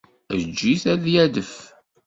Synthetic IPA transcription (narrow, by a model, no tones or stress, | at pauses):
əd͡ʒːiθæðjæðəf